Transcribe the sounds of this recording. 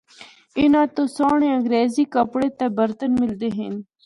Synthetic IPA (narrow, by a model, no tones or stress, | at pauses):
ɪnãːt̪osaːɳẽə̃ŋɡɾeːzikəpɽet̪ebəɾt̪ənmɪld̪eɦen